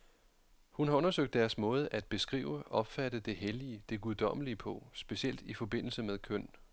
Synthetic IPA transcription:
hunhɑ̈ɔ̽nɐsøɡ̥̚d̥ːæɐsmɔ̽ːð̞ˠʔæd̥̚b̥e̝sɡ̥ʁḭːʊəʔɒ̽b̥fæɾəd̥e̝ɦeliəd̥e̝ɡ̥uðˠd̥ɒ̽m̰əliəpʰɔ̽sb̥e̝siel̰d̥ifɒ̽b̥e̝n̰l̩səmeðˠkʰœn̰

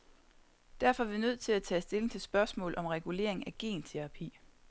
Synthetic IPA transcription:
d̥æɐfɒ̽æʋinøð̞̰ˠt͡sʰe̝læt͡sʰɛ̰ːsd̥e̝le̝ŋ̩t͡sʰe̝lsb̥ɶɐsmɔ̰̽ːlʔɒ̽mʁɛɡ̥ule̝̰ɐeŋ̩æɡ̥e̝̰ːnt͡sʰeʁɑ̈pʰḭː

